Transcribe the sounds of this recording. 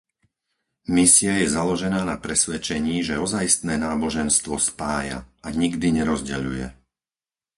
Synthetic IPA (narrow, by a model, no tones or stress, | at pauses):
misiajɛzalɔʒɛnaːnapɾɛsʋɛt͡ʃɛɲiːʒɛɔzajist̪nɛːnaːbɔʒɛnst̪ʋɔspaːja̰ʔaɲiɡd̪iɲɛɾɔzɟɛ̰ʎṵjɛ̰